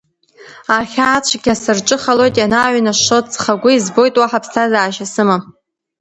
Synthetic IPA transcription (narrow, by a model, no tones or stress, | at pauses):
aχʲaːt͡ɕʷʰɡʲasɨrʈ͡ʂʼɨχalo̞jtʼjanaːɥnaʂotʼt͡sχaɡʷʊizbo̞jtʼwaħapʰstʰazaːʃasɨma